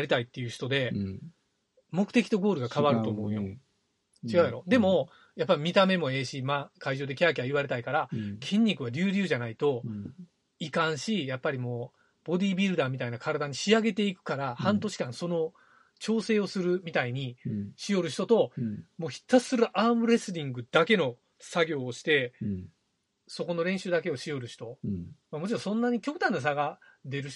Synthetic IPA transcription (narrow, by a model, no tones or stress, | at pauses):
aɾʲit̪ait̪ːejɯ̟ɕi̥t̪o̞d̪e̞ | mo̞kɯ̥t̪e̞kʲit̪o̞ɡo̞ːɾɯ̟ɡakaβaɾɯ̟t̪o̞ːmo̞ɯ̟jo̞ | t͡ɕiɡajaɾo̞d̪e̞mo̞ | japːaɾʲimʲit̪ame̞mo̞e̞ːɕimaːkʰaiʑo̞ːd̪e̞kʲakʲiaiβaɾe̞t̪aikaɾakʰẽ̞ɲ̟ʲːikɯ̟βaɾʲɨːɾʲɨːʑanait̪o̞ | ikãɰ̃ɕijapːaɾʲimo̞ː | b̥o̞d̪ʲiːbʲiɾɯ̟d̪aːmʲit̪ainakʰaɾad̪aɲ̟iɕiaɡe̞t̪e̞ikɯ̟̥kaɾahãnt̪o̞ɕi̥kãɰ̃so̞no̞ | t͡ɕo̞ːse̞ːo̞sɨɾɯ̟mʲit̪aiɲ̟iɕijoɾɯ̟ɕ̬i̥t̪o̞t̪o̞mo̞ːçi̥t̪ːḁsɨɾɯ̟ʔaːmɯ̟ɾe̞sɨɾʲĩŋɡɯ̟d̪ake̞no̞ | saɡʲo̞ːɕi̥t̪e̞ | so̞ko̞no̞ɾẽ̞ɰ̃ɕɨːd̪ake̞o̞ɕijo̞ɾɯ̟ɕi̥t̪o̞mamo̞t͡ɕiɾõ̞sõnːaɲ̟ikʲokːt̪ãnːas̬aɡad̪e̞ɾɯ̟